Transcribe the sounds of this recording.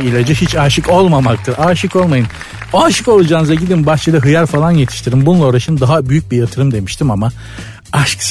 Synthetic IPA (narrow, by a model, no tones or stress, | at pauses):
ilʲad͡ʒɛɦit͡ʃaːʃɯko̞lˠmamak̚t̪ʰɯɾʔaːʃɯko̞lˠmajɯn | oːʃɯko̞lˠud͡ʒaːnɯzaɟid̪inbast͡ʃʰed̪aɦɯjaɾfalˠanje̞t̪ʰi̥ʃt̪ʰiɾimbununˠao̞ːɾaʃɯnd̪aɦabyjyc̚bijat̪ʰɯɾɯmd̪e̞miʃt̪ʰimama | aʃks